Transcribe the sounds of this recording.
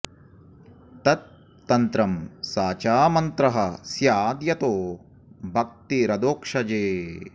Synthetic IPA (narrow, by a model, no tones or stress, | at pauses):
t̪ɐt̪̚ː | ɐnt̪ɾɐmsaːt͡ʃaːmɐnt̪ɾɐɦɐsjaːd̪jɐt̪oː | bʱɐk̚t̪iɾɐd̪oːkʂɐd͡ʒeː